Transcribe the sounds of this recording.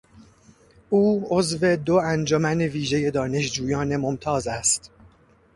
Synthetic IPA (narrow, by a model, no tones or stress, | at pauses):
ʔuːozve̞d̪oænd͡ʒɒmæne̞viːʒe̞je̞d̪ɒːne̞ʃd͡ʒuːjɒːne̞mo̞mt̪ʰɒːzæst̪